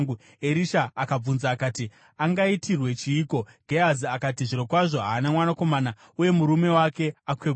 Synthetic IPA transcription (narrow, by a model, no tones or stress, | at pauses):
ŋɡu | e̞ɾiʃaːkab͡vunzaːkaːti | aŋɡaitʰirwe̞t͡ʃiːko̞ɡ̥ʱeaziakatiʐiɾo̞kwaʐo̞ɦaːnamwanako̞mana | uje̞muɾume̞wake̞akwe